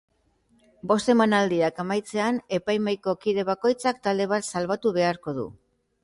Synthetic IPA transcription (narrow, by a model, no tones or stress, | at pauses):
bo̞st̪e̞manald̪iakamajt͡se̞ane̞pajmajko̞kiðe̞βako̞jt͡sakt̪ald̪e̞β̞at̪salβat̪uβe̞aɾko̞ðṵ